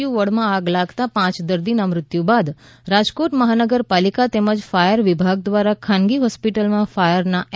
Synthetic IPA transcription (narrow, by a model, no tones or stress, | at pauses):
juʋəɽmãaɡlaɡt̪apãt͡ʃd̪əɾd̪inamɾɪt̪jubad̪ | ɾad͡ʒkoʈməɦanəɡəɾpalikat̪ɛməd͡ʒfajəɾʋɪbʱaɡ̚d̪ʋaɾakʰãnɡiɦɔspiʈəlmãfajəɾna